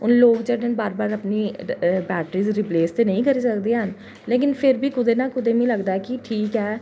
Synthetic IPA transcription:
ʊnloːɡd͡ʒeːɽenbaːɾbaːɾəpniːbɛːʈɾiːzɾɪpleːst̪eːnəĩːkəɾiːsəkd̪eːɦən | leːk̬ɪnpʰɪɾbiːkʊd̪eːnãːkʊd̪eːmĩːləɡd̪aːɛːkiʈʰiːkɦɛː

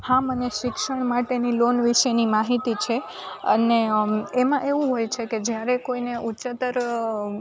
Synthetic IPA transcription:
hãməneʃɪkʃəɳ̃maʈenilonʋiʃenimaɦit̪it͡ʃʰe | ə̰neemãʔeʋũɦojt͡ʃʰeked͡ʒjaɾekoineʔut͡ʃət̪əɾ

